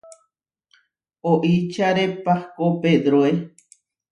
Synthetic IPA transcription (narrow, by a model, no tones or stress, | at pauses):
oʔit͡ʃaɾepahkoped̪ɾoe